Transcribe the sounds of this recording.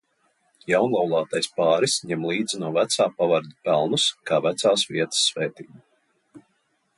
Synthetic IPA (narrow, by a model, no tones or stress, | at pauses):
jawnlˠawlˠɑːt̪ajspaːɾisɲɛmlˠiːd̪zinuɔvæt̪saːpavaɾd̪ipɛlˠnuskaːvæt̪saːsvḭɛt̪ə̥sːvɛːt̪iːbu